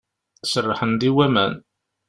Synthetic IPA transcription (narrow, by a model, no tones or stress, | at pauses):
sərːɑħənd̪iwæmæn